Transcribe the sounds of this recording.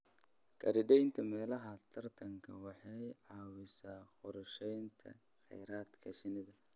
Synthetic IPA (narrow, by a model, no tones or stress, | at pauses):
kʰɐ̰ɾɪɖɛjnt̪ʰɐmɛːlɐɦɐt̪ʰɐrt̪ʰɐŋkʰɐ̰wɑħɑjʕɑːwɪsaːχʊɾʃɛjnt̪ʰɐ̰ | xɛ̰jɾaːd̪kʰɐʃɪnɪðɐ